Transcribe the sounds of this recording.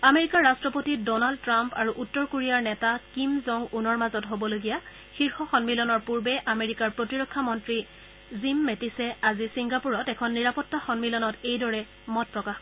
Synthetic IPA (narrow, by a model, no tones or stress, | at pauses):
ameɹikaɹːastɹɔpotidɔnald̚tɹampaɹuʔutːɔɹkoɹijaɹnɛtakimzɔŋunɔɹmazɔtɦobɔloɡija | xiɹxɔxɔnmilɔnɔɹpuɹbɛʔameɹikaɹpɹotiɹɔkʰːamɔntɹi | zimːetisɛazisiŋɡapuɹɔtɛkʰɔnːiɹapɔtːaxɔnmilɔnɔtejdɔɹɛ | mɔt̚pɹɔkax